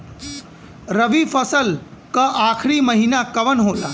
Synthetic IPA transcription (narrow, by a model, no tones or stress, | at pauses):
ɾəʋifəsəlkəʔakʰɾiːməɦinakəʋənɦot̪a